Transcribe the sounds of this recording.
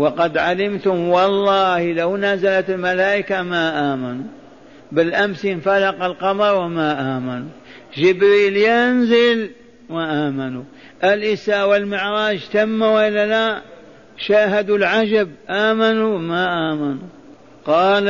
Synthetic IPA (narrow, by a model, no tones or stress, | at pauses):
wɑqɑd̪ʕalɪmt̪ʊmwɑlˤːɑːhlawnaːzalat̪ɪlmalaːʔɪkamaʔaːmanu | bɪlʔamsinfalɑqɑlqɑmɑɾˤwamaʔaːmanu | d͡ʒɪbɾiːljanzɪl | maʔaːmanu | ʔɪlʔɪsaːʔwɪlmɪʕɾˤɑːd͡ʒt̪amːawalala | ʃaːɦad̪ulʕad͡ʒabʔaːmanuwmaʔaːmanu | qɑːl